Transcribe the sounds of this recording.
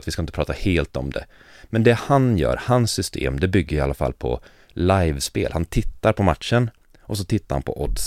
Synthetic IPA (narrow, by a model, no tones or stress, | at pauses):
t̪vɪskaɪnəpɾɑːt̪aheːlt̪ɔmd̪ɛ̰ | mɛnd̪ɛhanjœ̰ːɾhansːʏst̪ʰḛːmd̪ɛbʏɡːəjɪalːafa̰lːpʰɔ̰ | lajvspḛːlhant̪ʰɪt̪ːaɾpʰɔmat̪ʂən | ʔɔs̬ɔt̪ʰɪt̪ːaɾha̰npʰɔʔɔd̪s